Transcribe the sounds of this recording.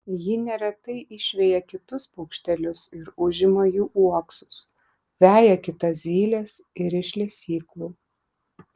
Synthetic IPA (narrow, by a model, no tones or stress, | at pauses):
jɪnʲɛɾʲɛt̪ɐɪʔɪʃʲʋʲɛjɛkʲɪt̪ʊspʊːkʃʲt̪ʲɛlʲʊsɪɾʊʒʲɪmɐjuːʔuɔksʊ̥s | ʋʲæːjɛkʲɪt̪ɐszʲiːlʲɛsɪɾɪʃʲlʲɛsʲiːklˠuː